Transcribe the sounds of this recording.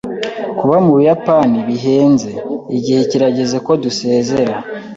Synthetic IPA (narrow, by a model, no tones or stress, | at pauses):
kuβamuβujapaniβiɦe̞ːnze̞iɟihe̞ciɾaɟe̞ze̞ko̞duse̞ːze̞ɾa